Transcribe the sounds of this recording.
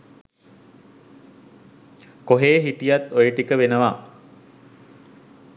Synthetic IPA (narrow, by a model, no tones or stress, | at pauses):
koɦeːɦiʈijat̪ojəʈikəʋenəʋa